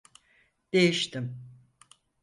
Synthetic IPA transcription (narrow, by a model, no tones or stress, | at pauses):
d̪̥e̞jiʃt̪ʰim